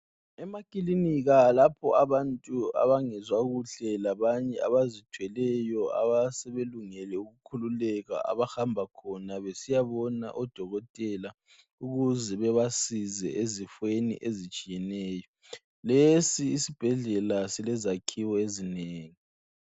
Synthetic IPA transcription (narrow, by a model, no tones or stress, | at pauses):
ɛmakʼiliniɣalapʰɔaβantʼua̰βaŋɛzwaɣuɬɛlaβaɲɛaβazitʰwɛlɛjɔa̰βasɛβeluŋɛlɛuɣukʰululɛɣa̰ʔa̰βaxambʱakʰɔnaβesijaβɔna̰ʔɔd̥ʱɔɣɔtʼɛla | uɣuzɛβɛβasizɛʔezifwenḭʔezit͡ʃʼijɛnɛːjɔ | lesiːsib̥ʱɛɮɛlasilɛzakʰiwɔezineːŋi